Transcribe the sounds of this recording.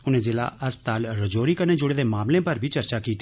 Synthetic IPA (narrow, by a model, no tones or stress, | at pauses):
ʊnẽːzɪla̰ʔɐspət̪aːlɾɐd͡ʒoːɾiːkəned͡ʒʊɽeːd̪eːmaːmlẽpɐɾbʱit͡ʃɐɾt͡ʃakiːt̪